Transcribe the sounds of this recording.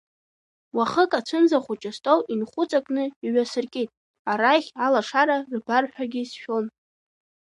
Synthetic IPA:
waχəkʼat͡ʃʷʰɨnzaχʷʊt͡ʃʼastʼowʔinχʷʊt͡sʼakʼnɨiɥasɨrkʼitʼ | aɾaχʲalaʂaɾarbarħʷᶣaɡʲisʃᶣon

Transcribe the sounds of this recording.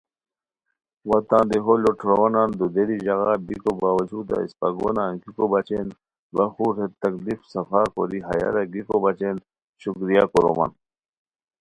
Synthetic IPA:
wɐt̪ãːnd̪eɦoloʈʰɾonand̪ud̪eɾiʑɐɣabikobaːwɐd͡ʑuːd̪a̰ḭspɐɡo̰naːŋkikobɐt͡ɕen | bɐxuɾet̪ɐklifsɐfaːko̰ɾiɦɐ̰ja̰ɾɐɡikobɐt͡ɕen | ɕukɾijakoɾo̰ma̰n

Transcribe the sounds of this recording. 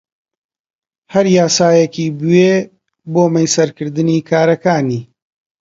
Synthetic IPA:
hɐɾjaːsaːjekiːbweː | boːmɐjsɐɾkɨɾd̪ɨniːkʰaːɾɐkaːniː

